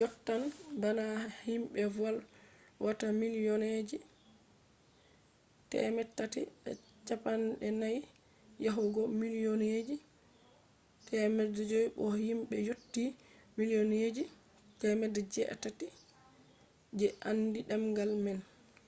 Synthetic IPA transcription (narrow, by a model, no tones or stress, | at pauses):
jɔtːanbanahimɓɛvalwʔatamilijɔned͡ʒi | tɛ̰mɛtːatḭɗɛ̰ | t͡ʃapanɗɛnaj | jaɦuɡɔmilijɔned͡ʒi | tʰɛmɛdd͡ʒɔjɓɔhimɓɛjotːi | milijɔned͡ʒi | tɛmɛdɛd͡ʒɛʔa̰tati | d͡ʒɛʔandiɗamɡalmɛn